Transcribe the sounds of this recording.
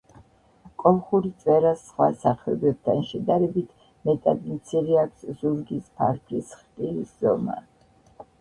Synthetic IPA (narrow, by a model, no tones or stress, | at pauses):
kʼɔlˠχuɾit̪sʼwɛɾasχwasaχʰɛɔbɛb̚t̪ʰanʃɛd̪aɾɛbit̪ʰ | mɛt̪ʼad̪imt̪sʰiɾiakʷʰszuɾɡispʰa̰ɾkʰlisχt̪ʼilisz̥ɔ̰ma̰